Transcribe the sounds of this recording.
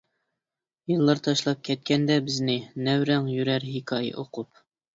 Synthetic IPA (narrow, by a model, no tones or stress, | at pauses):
jɨlˠːɑɾt̪ʰɑʃlˠɑp̚kʲʰɛt̪̚kʲʰɛnd̪ɛbɪznɪnæwɾɛŋjyɾæɾɦikʰɑjɪ̰ʔoqʰup̚